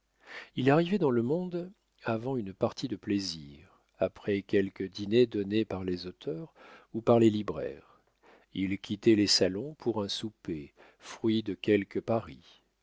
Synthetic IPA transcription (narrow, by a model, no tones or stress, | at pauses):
ilaʁivɛd̪ɑ̃ləmɔ̃d̪ | avɑ̃ynpaʁt̪ʰid̪əpleziʁ | apχɛkʲɛlkʲəd̪ined̪ɔnepaʁlezot̪ʰœʁupaʁlelibʁɛ̰ʁ | ilkʲʰit̪ɛlesalɔ̃pʰuʁɛ̃supe | fχɥid̪əkʲɛlkəpaʁi